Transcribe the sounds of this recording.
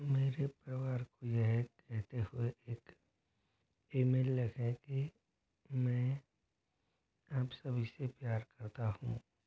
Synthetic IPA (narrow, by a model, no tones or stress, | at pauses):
meːɾepɾɐʋaːɾkojeɦɾɛɦt̪ehʊeʔeːk | eːmeːlːɐkʰẽki | mɛ̃ː | aːpsɐbʱisepjaːɾkɐɾt̪ahṵ̃ː